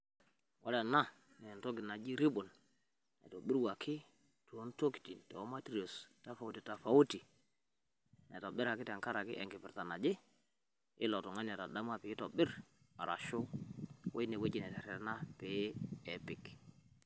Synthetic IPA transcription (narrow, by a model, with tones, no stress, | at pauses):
wɔ˦lɛ˨na˦ | nɛ˨ntɔ˦ɡɪ˨na˨d͡ʒi˦ɾi˦ɓʊ˨n | ɛ̰˨to˨bɪ˦ɾwa˨kʰɪ˦ | tu˨o˦nto˦ki̥˨ti˨ntɛ̰˨ɔ˦ma˦tɾi˨o˨sta˦fa˨u˦ti˨ta˨fa˨˦u˦ti˨ | nɛ̰˨tɔ˨bɪ˦ɾa˨kɪ˦tɛ˨ŋka˦ɾa˨kɪ̰˦ʔɛ˨ŋɡɪ˨pɪ˨ɾta˨na˨d͡ʒɪ˦ | ɪ˦lɔ˨tɔ˨ŋa˦nɛ˨ta˨da˦m˦a˦˨pɪ˨˦ɪ˦tɔ˨bɪ˦ɾ | a̰˨ɾʔa̰˨ʃʊ˦we˦nɛ˨we˦d͡ʒɪ˨nɛ˨tɛ˨ɾɛ˨˦na˦pe˨˦ɛ˨pɪ˨k